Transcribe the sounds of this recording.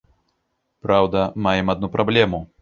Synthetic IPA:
pɾawd̪amajɛmad̪̚nupɾɔblʲɛmu

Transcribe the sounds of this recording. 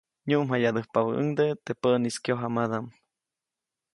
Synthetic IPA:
ɲuʔmɦajad̪ɨhpaβəʔɨ̰ŋd̪et̪epəʔniskjoɦamad̪am

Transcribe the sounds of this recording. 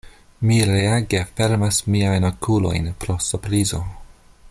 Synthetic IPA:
miɾeaɡe̞fe̞ɾmasmiajnokʰulo̞̰jnpɾo̞supɾizo̞

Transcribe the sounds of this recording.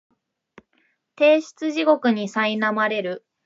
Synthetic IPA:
t̪e̞ːɕi̥t͡sɨʑiɡo̞kɯ̟ɲ̟isainamaɾe̞ɾɯ̟

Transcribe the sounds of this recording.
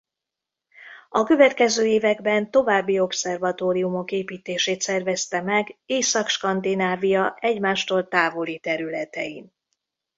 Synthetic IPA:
ɒkø̞vɛt̪kɛzøːeːvɛɡbɛnt̪o̞vaːbːio̞psɛrvɒt̪oːɾijumo̞keːpiːt̪eːʃeːt̪sɛrvɛst̪ɛmɛɡeːsɒkʃkɒnd̪inaːvijɒʔɛɟmaːʃt̪oːlt̪aːvolit̪ɛɾylɛt̪ɛ̰ḭn

